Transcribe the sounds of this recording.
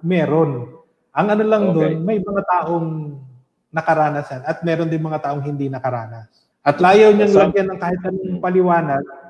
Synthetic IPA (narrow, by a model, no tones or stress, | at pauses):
mɛːɾo̞n | ʔɐŋʔɐnolɐŋd̪onmɐjmɐŋat̪aːʔo̞ŋ | nɐkɐɾaːnɐsjanɐt̪̚mɛːɾond̪ɪnmɐŋat̪aːʔoŋɦɪnd̪inɐkɐɾaːnɐs | ʔɐt̪laːjɐwɲaŋlɐɡjanɐŋkaːhɪt̪̚ʔɐnoŋpɐlɪwaːnɐɡ̚